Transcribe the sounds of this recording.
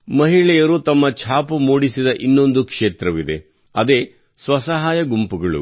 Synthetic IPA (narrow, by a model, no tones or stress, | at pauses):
mɐɦiɭɛjɐɾut̪ɐmːɐt͡ʃʰaːpumuːɽisid̪ɐʔinːo̞nd̪ukʂeːt̪ɾɐʋid̪e | ɐd̪e̞ː | sʋɐsɐɦaːjɐɡumpuɡɐɭṵ